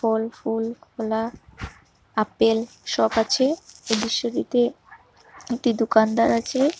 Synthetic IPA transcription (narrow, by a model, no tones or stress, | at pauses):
fɔlfulkʰɔla | apel | ʃɔbat͡ɕʰeeb̪iʃːoɾḭt̪e | ek̚ʈid̪okand̪aɾat͡ɕʰe